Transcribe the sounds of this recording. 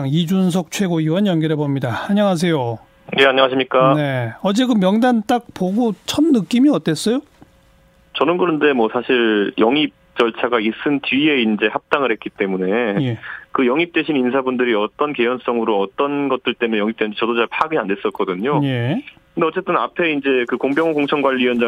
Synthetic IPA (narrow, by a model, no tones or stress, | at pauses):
ŋid͡ʑuns̬ʰʌk̚t͡ɕʰwe̞ɡoiwʌnjʌnɡiɾebʌmɲidaːɲaŋas̬ʰe̞jo | je̞aɲʌŋaɕʰimɲik͈ane̞ʌd͡ʑe̞ɡɯmjʌŋdant͈ak̚poɡot͡ɕʰʌmnɯk͈imiʌt͈e̞s͈ʌjo | t͡ɕʌnɯnɡɯnɯnde̞mwʌsʰaɕʰiɾjʌŋip̚t͡ɕ͈ʌɭt͡ɕʰaɡais͈ɯnt͡ɕie̞ind͡ʑe̞hap̚t͈aŋɯɭɾhet̚k͈it͈e̞mune̞jekɯjʌŋip̚t͈we̞ɕʰinins̬ʰabundɯɾiʌt͈ʌnke̞jʌns͈ʌŋɯɾoʌt͈ʌnɡʌt̚t͈ɯɭt͈e̞mnejʌŋip̚t͈ennd͡ʑet͡ɕʌdot͡ɕaɭpʰaɡiande̞s͈ʌt̚k͈ʌdɯɲojekkɯndeʌt͡ɕ͈e̞t͈ɯna̰pʰe̞ind͡ʑe̞kɯkoŋbjʌŋokoŋt͡ɕʰʌŋɡwaʎːijʌnd͡ʑa